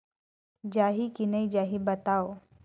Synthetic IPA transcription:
d͡ʒaːɦikinəid͡ʒaɦibɐt̪aːo

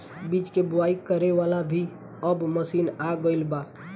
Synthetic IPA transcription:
bit͡ʃkebuaikəɾeʋalabʱi | əbməsinaɡəɪlba

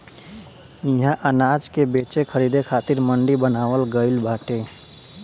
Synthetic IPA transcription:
iɦãʔənad͡ʒkebeːt͡ʃekʰəɾid̪ekʰaːt̪iɾməɳɖibənaːwəlɡəɪlbʱaːʈe

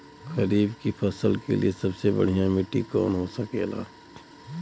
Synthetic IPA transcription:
ɣɐɾiːbkipʰɐsəlkḛlḭesɐbsebɐ̰ɽ̤ijãmɪʈikɔ̰ːnɦoːsɐkeːla̰ː

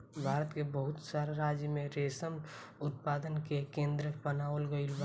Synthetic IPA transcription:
bʱaːɾət̪kebəɦʊt̪saɾeɾaːd͡ʒjəmẽɾesəm | ʊt̪̚paːd̪ənkekẽːnd̪ɾəbənaolɡəɪlba

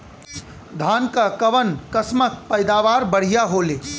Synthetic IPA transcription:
d̪ʱaːnkakəʋənkəsmək̚pəɪd̪aʋaɾbəɽ̤ijaɦole

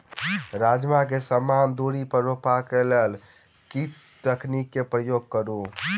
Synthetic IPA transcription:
ɾad͡ʒmakesəmand̪oɽipəɾːopakelel | ki | t̪əknikːepɾəjoɡ̚kəɾũ

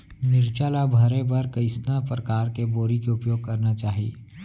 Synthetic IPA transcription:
nɪɾt͡ʃaːlabʱɐɾẽbɐɾkɐɪsnapɾɐkaːɾkeboːɾikeʊpjoːɡ̚kɐɾnat͡ʃaːɦi

